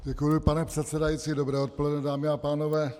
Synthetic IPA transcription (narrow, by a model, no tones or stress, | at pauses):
ɟɛkujupanɛpr̥ɛt̪sɛdajit͡siːdobɾɛːot̪̚polɛdnɛdaːmɪapaːnovɛː